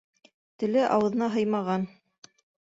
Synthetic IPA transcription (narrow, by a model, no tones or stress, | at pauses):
t̪ɘ̆lɘʔɑwɤ̆ðɤ̆nɑɦɤjmɑʁɑn